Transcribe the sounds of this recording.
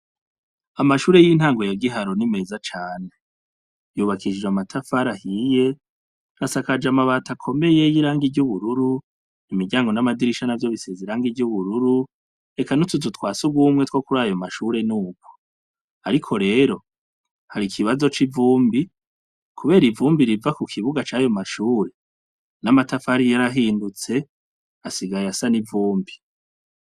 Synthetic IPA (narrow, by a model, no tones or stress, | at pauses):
amaʃuːɾe̞jin̥haːŋɡo̞jaɡiɦaɾo̞nime̞ːzat͡ʃaːne̞ | juːβakʰid͡ʒd͡ʒamatʰafaɾahije̞ | asakad͡ʒamaβaːtʰakʰo̞me̞je̞jiɾaːŋɡiɟuβuɾuɾu | nimiɟaːŋɡo̞namadiɾiʃanavjo̞βiseziɾaːŋɡivjuβuɾuɾu | e̞kanutuzutwaːsuɡwuːmŋe̞two̞kuɾajomaʃuːɾe̞nuːɡ̚ɡo̥ | aɾikʰo̞ɾe̞ːɾo̞ | haɾikʰiβazo̞t͡ʃivuːmbi | kʰuβe̞ːɾivuːmbiɾivakukʰiβuɡat͡ʃaːjo̞maʃuːɾe̞ | namatafaɾijaɾaɦiːndut͡se̞ | asiɡajasanivuːmbi